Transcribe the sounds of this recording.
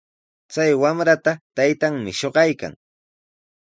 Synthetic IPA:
t͡sajwamɾat̪at̪ajt̪aŋmɪʃoɢɑjka̰ŋ

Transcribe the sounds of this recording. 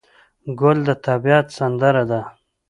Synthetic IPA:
ɡʊld̪ət̪abijɑt̪sand̪əɾad̪a

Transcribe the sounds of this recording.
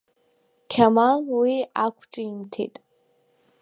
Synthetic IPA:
kʲʰamalwiakʷʰʈ͡ʂʼiːmtʰḛtʼ

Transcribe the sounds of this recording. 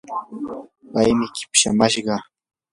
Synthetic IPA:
pajmɪkɪ̥pʃa̰maʃɢɑ

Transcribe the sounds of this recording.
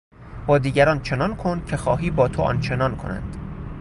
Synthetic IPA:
bɒːd̪iːɡæɾɒːnt͡ʃʰe̞nɒːnkʰond̪̥̚cʲʰe̞xɒ̰ːɦiːbɒːt̪ʰoʔɒ̰nt͡ʃʰe̞nɒːnkʰonæ̰nd̪̥

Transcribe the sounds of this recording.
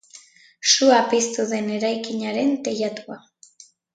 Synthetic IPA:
suapist̪uðe̞ne̞ɾajkiɲaɾe̞nt̪e̞jat̪ua

